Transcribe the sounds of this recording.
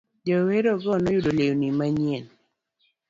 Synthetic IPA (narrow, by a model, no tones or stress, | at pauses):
d͡ʒɔweɾɔɡɔnɔjudoleonimaɲen